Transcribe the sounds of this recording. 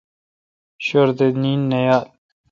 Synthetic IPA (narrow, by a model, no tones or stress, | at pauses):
ɕoɾd̪eninːɐjaːl